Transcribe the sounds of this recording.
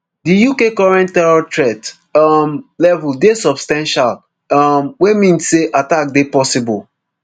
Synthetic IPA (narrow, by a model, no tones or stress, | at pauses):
dijukekɔɹɛ̃ntɛɹɔtɹɛt | mlɛvuldesɔbstãnʃal | mwemĩnsːeʔatak̚depɔsibɔ̰l